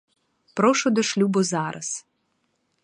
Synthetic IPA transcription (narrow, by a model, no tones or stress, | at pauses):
pɾɔʃʊd̪ɔʃlʲubʊzɑɾʔɐ̰s